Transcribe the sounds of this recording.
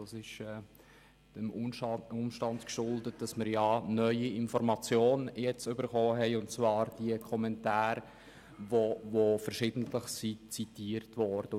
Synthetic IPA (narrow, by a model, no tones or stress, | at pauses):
d̥ɑːsɪʃɛ | d̥əmʊmʃtɑndkʃʊldət̚d̥ɑsməɾjɑːnœʏiɪnfɔɾmɑt͡sjoːnjɛt͡sʏbəɾχɔːɦɛɪʊnt͡svɑːɾd̥iəkʰɔmɛntaːɾ | vovofəɾʃɪdn̩tləχsit͡sitiːəɾtvɔɾd̥ə